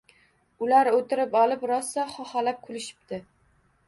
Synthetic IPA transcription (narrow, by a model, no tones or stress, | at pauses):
ʊlaɾot̪ɪɾɪpɒlɪpɾɒsːaχɒχalap̚kʰʊlɪʃɪ̥p̚t̪ɪ